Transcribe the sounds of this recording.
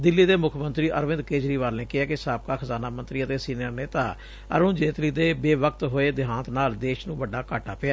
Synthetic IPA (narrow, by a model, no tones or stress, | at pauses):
d̪ɪlːiːd̪eːmʊkʰmənt̪ɾiːʔəɾʋɪ̃nd̪keːd͡ʒɾiːʋaːɾneːkɪaːkɪsaːp̚kaːkʰəzaːnaːmənt̪ɾiːət̪eːsiːnəɾneːt̪aː | ə̰ɾũːnd͡ʒeːt̪liːd̪eːbeːʋəkt̪ɦoːeːd̪ɪɦãːnt̪naːld̪eːʃnũːʋəɖːaːkaːʈʰaːpɪaː